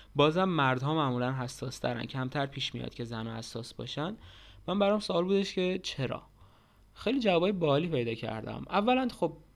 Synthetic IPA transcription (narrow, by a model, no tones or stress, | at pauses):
bɒːzæmːæɾd̪ɦɒːmæʔmuːlænɦæsːɒːst̪ʰæɾæ̰ncʰæmt̪ʰæɾpʰiːʃmijɒ̰d̪̚cʰe̞zænɒːhæsːɒ̰ːsbɒ̰ʃænd̪mænbæɾɒmsoːlbuːd̪eʃcʰe̞t͡ʃʰe̞ɾɒ̰ː | xejliːd͡ʒævɒːbːjebɒːliːpʰe̞jd̪ɒːcʰæ̰ɾd̪æ̰mʔævːælænxob̚